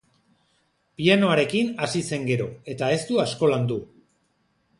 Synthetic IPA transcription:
piano̞aɾe̞kinasise̞ŋɡe̞ɾo̞e̞t̪ae̞st̪uasko̞land̪u

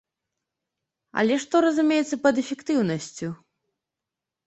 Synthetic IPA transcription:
ɐ̰lʲɛʂt̪ɔɾɐzumʲejɛt̪sːɐpɐd̪ɛfʲɛkt̪ɨwnɐsʲt͡sʲu

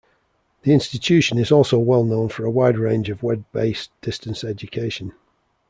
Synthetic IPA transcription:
ðiɪ̃nstɪt͡ʃʰʉˑʃə̃nɪzɔˑlˠsoʊwɛlˠnõʊ̃nfəɹəwaɪdɹẽɪ̃nd͡ʒəvwɛd̚beɪsd̥ɪstə̃nsɛd͡ʒəkʰeɪʃə̃n

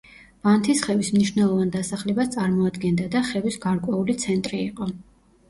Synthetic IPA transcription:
v̥ant̪ʰisχɛvismniʃvnɛlˠɔvand̪asaχlɛbast̪sʼaɾmɔad̪ɡɛnd̪ad̪aχɛvisɡaɾkʼwɛulit̪sʰɛnt̪ʼɾiːqʼɔ

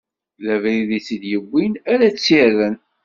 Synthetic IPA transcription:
lævɾiðit͡sːid̪jəbʷːinæɾæt͡sːirːən

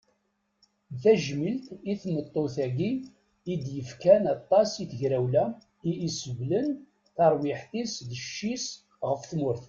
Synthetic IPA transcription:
θæʒmilt̪iθmət̪ˤːoθæɡiː | d̪jəfkænɑt̪ˤːɑsiθəʝɾæwlæ | iːsəvlən | θɑɾˤwɪħθisðəʃːis | ʁəfθmʊɾθ

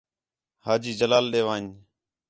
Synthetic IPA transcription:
haːd͡ʒiːd͡ʒəlaːlɗeːʋãːɲ

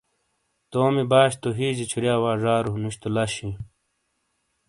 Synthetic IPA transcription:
t̪oːmibaːɕt̪oɦiːd͡ʑit͡ɕʰiɾijaːwaːʐaːɾunuɕt̪ulɐɕi

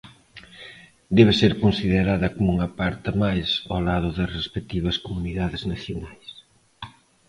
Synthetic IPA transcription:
d̪ɛβ̞ɪseɾkonsiðeɾaðɐkomuŋɐpaɾt̪ɐmajsolað̞ʊðɐsrespek̚t̪iβɐskomuniðaðɪznaθjonajs

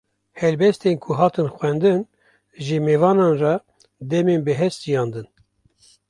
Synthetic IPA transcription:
hɛlbɛst̪eːnkʰuɦɑːt̪ɨnxʷɛnd̪ɨn | ʒemevɑːnɑːnrɑ | d̪ɛmeːnbəɦɛst̪̚d͡ʒijɑːnd̪ɨn

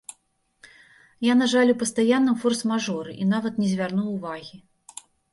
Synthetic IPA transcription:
janaʐalʲupɐst̪ajanːɨmfɔrsmaʐɔɾɨʔin̪avɐt̪nʲɛzʲvʲarnuwːvaɣʲi

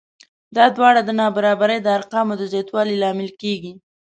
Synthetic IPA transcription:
d̪ɑd̪wɑɽad̪ənɑbaɾɑbaɾəjd̪əaɾqɑmod̪əzjɑt̪wɑlilɑmɪlkeɡi

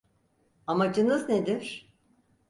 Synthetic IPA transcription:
amad͡ʒɯnɯzned̪iɾ̥

